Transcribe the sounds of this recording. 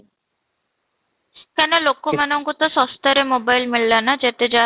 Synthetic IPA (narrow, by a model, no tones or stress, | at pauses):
kɛnolokːomanɔŋkut̪ɔsɔst̪aɾemobajlmilːanad͡ʒɛt̪ed͡ʒa